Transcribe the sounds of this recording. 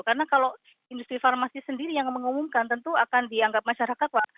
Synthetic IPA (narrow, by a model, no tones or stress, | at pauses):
kaɾənakalo | indust̪ɾifarmasisəndiɾijaŋməŋumumkant̪ənt̪uakandiaŋɡap̚maʃaɾakat̪̚waʔ